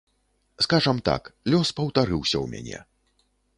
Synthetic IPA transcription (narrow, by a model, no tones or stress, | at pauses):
skaʐɐmt̪a̰klʲɔspɐwt̪aɾɨwsʲɐwmʲa̰nʲɛ̰